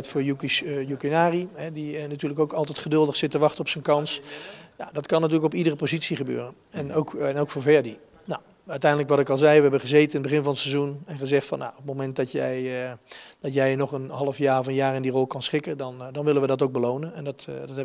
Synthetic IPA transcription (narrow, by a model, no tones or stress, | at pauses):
tfʊːɹjukijukinaːriɦɛdinatyːləkowkɑlˠtɛjtχədɵlˠdəχsɪtəʋɑχtənɔpsənkɑnsja̰dɑtkɑnːat̬yːləkɔpidərəpozitsiχəbø̰ːrən | ɛnowkɛnowkfʊːɹvɛɹdi | naw | œtɛjndələkʋɑtɪkɑlˠzɛjʋəɦɛbənχəzeːtənɪnbəχɪnvɑnətsezunɛnχəzɛχtfɑ̰nːa̰ɔpmomɛnt̚dɑtjɛj | d̥ɑtjɛjnɔχənɦɑlˠəfjaːrɔfənjaːrɪndirɔlˠkɑnsχɪkədɑndɑnʋɪlənʋədɑtoɡ̚bəlownənɛndɔtdtɛ